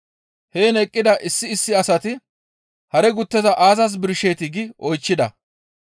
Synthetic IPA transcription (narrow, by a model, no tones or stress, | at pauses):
heːnɛkʼːɪd̪ɐʔɪsːɪːsːɪɐsɐt̪ɪ | hɐɾɛɡʊt̪ːɛzɐʔaːzɐs̬bɪɾʃe̞ːt̪ɪɡɪɔjt͡ʃːɪd̪ɐ̰